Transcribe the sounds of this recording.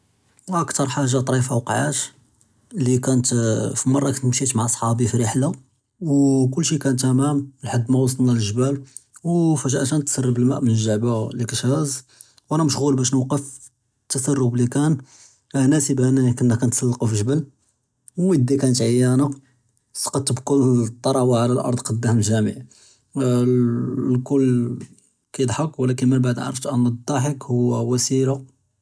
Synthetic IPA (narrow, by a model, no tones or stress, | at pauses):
wʔəkt̪ɑɾˤħaʒːat̪ˤɾifawqʕat̪ | likænət̪fimɑrˤːɑkænt̪mʃit̪maʕʔɑsˤħɑbifiɾəħla | wkʊlːʃikænt̪ʔæmæmlħad̪ːmæwɑs̬ˤt̪ˤlnæləʒbælwfæʒʔæʃænt̪ːsərˤːəbəlmæʔmənəʒːaʕbalikæʃæz | wʔænæməʃɣulbæʃnuwqəf | t̪ːəsɑrˤːublikæn | ænæsibʔænækənːəkːænt̪sˤɑlːɑqufiʒəbəl | wəd̪ikænət̪ʕajːæna | sqɑt̪bkʊlːt̪ˤːɑɾˤɑwaʕalælʔɑ̰ɾˤd̪ˤqɑd̪ːæhməʒæmə̰ʕ | lkʊlː | kæjəd̪ˤħɑkwlækənmənbaʕd̪ʔʕ̰ʕɾəft̪ʔænːəd̪ˤːɑħəkhʊwːæwæsiɾa